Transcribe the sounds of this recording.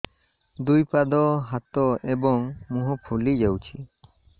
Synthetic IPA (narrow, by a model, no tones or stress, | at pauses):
d̪ujpad̪ɔɦat̪ɔʔɛbɔŋmuɦɔpʰulid͡ʒawt͡ʃʰi